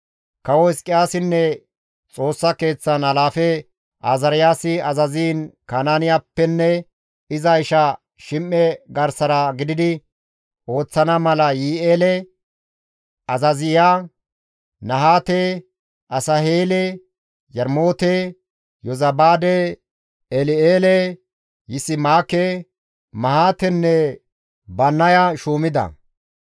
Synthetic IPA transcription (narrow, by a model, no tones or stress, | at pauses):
kɐwɔɪskʼɪjaːsɪnːɛ | t͡sʼo̞ːsːɐke̞ːt͡sːɐnɐlaːfɛ | ʔaːzɐɾɪjaːsɪɐzɐziːnkaːnaːnɪjaːpːɛnːɛ | ɪzɐɪʃɐ | ʃɪmʔːɛɡɐɾsɐɾɐɡɪd̪ɪd̪ɪ | o̞ːt͡sːɐnɐmɐlɐjiːʔeːlɛ | ɐzɐzɪjaː | nɐɦaːt̪e | ʔɐsɐheːlɛ | jɐɾmo̞ːt̪e | jɔzɐbaːd̪ɛ | ɛlɪeːlɛ | jɪsɪmaːke | mɐhaːt̪ɛnːɛ | bɐnːɐjaʃuːmɪd̪ɐ̰